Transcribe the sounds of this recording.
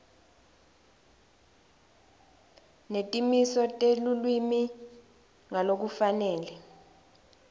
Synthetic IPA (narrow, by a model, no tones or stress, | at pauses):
netʼimisɔtʼelulwimi | ŋalok̬ufanɛːlɛ